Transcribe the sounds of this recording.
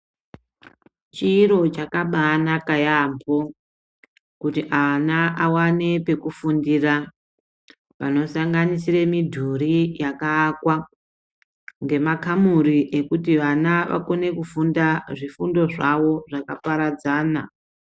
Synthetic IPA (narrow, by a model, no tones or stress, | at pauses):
t͡ʃiːɾo̞t͡ʃakaɓanakajambo | kutiʔanaʔawane̞pe̞kufundira | ʋano̞saŋɡanisiremidʱuɾijakaːkwa | ŋɡe̞makamuɾiʔe̞kutiʋanaʋa̰ko̞ne̞kufundaʐifundo̞ʐaʋo̞ʐakapaɾad͡zaːna̰